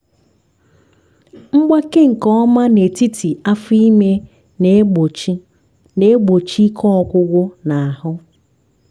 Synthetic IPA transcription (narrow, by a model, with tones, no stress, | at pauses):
ŋ͡m̩˦ɡ͡ba˦ke˦ŋ̩˨kɔ˦ɔ˦ma˦ne˨ti˦tʰi˨a˦fi˦me˦ | n˦˨˦ | ne˦ɡ͡bo˨t͡ʃi˦kʰɔ˦ɔ˨kʷʊ˦ɡʷʊ˦na˨a˨hʊ˦